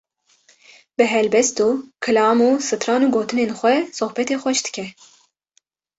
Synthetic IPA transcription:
bɨɦɛlbɛst̪uːkʰɨlɑːmuːsɨt̪ʰɾɑːnuːɡoːt̪ɨneːnxʷɛsohbɛt̪eːxʷɛʃd̪̥ɨ̥kʲʰɛ

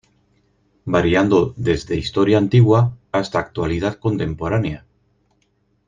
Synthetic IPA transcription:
baɾiand̪oðe̞zðe̞ist̪oɾjaːnt̪iɣwaːst̪aːk̚t̪walið̞aðko̞nt̪e̞mpo̞ɾanja

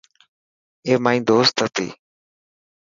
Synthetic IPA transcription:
eːmaːĩːd̪oːst̪ət̪ḭː

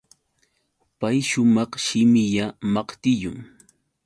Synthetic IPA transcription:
pajʃʊmɑχʃɪmɪʎamɑqt̪ɪjʊŋ

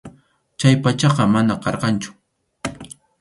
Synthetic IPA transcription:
t͡ʃajpat͡ʃɑqɑmanaqɑɾqɑnt͡ʃʊ̥

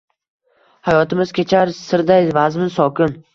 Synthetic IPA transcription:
hajɒt̪ɪmɪz̥kʲʰe̞t͡ʃʰaɾsɪɾd̪ajzvazmɪnsɒkʲʰɪn

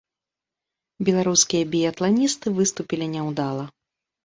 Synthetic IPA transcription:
bʲɛlˠaɾuskʲijɐbʲijɐt̪lˠanʲist̪ɨvɨst̪upʲilʲinʲɛwd̪alˠɐ

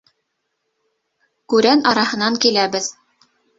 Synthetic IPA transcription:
kʉɾænɑɾɑhɤ̆nɑŋkilæβɘð

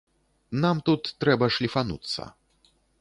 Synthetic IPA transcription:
namt̪ut̪ːɾɛbɐʂlʲifanṵt̪sːɐ̰

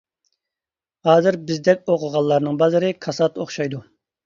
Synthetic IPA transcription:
hɑːzɪɾbɪzd̪ɛk̚ʲoqʰʊʁɑlˠːɑɾnɨŋbɑzɨɾɨkʰɑsɑt̪oχʃɑjd̪u

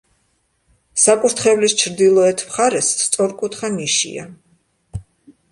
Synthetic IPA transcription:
sakʼuɾt̪ʰχɛvlist͡ʃʰɾd̪ilˠɔɛt̪ʰmχaɾɛsst̪sʼɔɾkʼut̪ʰχamiʃḭa̰

